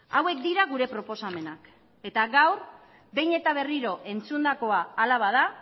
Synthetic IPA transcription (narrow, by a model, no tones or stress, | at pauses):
awe̞k̚d̪iɾaɣ̞uɾe̞pɾo̞po̞same̞nak | e̞t̪aɣawr | be̞jne̞t̪aβ̞e̞riɾo̞ʔe̞nt͡sund̪ako̞aːlaβað̞a